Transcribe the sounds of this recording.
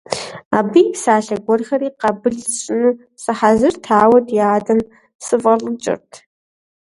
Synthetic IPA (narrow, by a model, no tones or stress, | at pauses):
aːbiːsaːɬɐɡʷɔrxɐriːqɐbɨɮɕʼɪnuː | sɨħazɨrtʰaːwɐdjaːdɐn | sɨvʁɐɮɨmt͡ʃʼɪ̰rtʰ